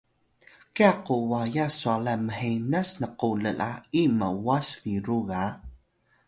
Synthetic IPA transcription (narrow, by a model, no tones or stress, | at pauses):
kiaquwajasualaməħinasnəquləlʔaiməwasfiɾuɣa